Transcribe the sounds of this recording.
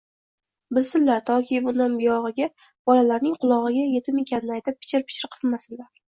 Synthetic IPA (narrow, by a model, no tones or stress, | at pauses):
bɪlsɪnlaɾt̪ʰɒkʲibʊnd̪anbɪjɒʁɨɡʲa | b̥ɒlalaɾnɪŋqʰʊlˠɒʁɨɡʲaje̞t̪ʰɪme̞kʲʰanɪnɪajt̪ɪp̚ʰːɪ̥t͡ʃʰɪɾpʰɪ̥t͡ʃɪ̥ɾqʰɨlˠmasɪnlaɾ